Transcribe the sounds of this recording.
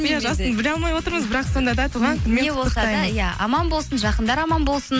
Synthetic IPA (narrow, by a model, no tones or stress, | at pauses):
jaʒɑsənbɪlɑlˠmɑjwo̞t̪əɾməzbɪɾɑqso̞nd̪ɑd̪ɑt̪ʰuʁɑŋk̪ʰɪnmenewosɑd̪ɑjɑɑ̰mɑnbolˠsənʒɑqənd̪ɑɾɑmɑnbo̞lˠsən